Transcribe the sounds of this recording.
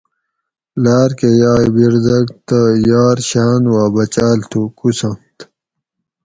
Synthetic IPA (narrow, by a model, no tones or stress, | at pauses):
laːɾkejaːjbiɾd̪ɐɡt̪ajaːɾɕaːnwaːbɐt͡ɕaːlt̪ʰukusɐ̃mt̪